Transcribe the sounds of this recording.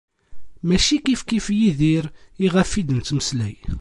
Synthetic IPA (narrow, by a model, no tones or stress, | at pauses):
mæʃikifkifjiðiɾiʁæfːid̪ənt͡s̪ːməslæj